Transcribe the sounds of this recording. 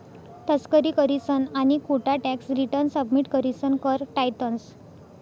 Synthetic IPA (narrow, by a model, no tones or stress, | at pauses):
t̪əskəɾikəɾisənaɽ̃ikuʈaʈɛksɾiʈəɾnsəbmiʈkəɾisənkəɾʈajt̪əns